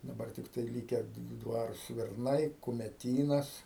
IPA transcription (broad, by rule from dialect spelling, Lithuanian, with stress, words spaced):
dɐˈbɐr tʲɪkˈtɐɪ lʲiːkʲɛ ˈdʋɑːrʊ sʲʋʲɪrˈnɐɪ kʊmʲɛˈtʲiːnɐs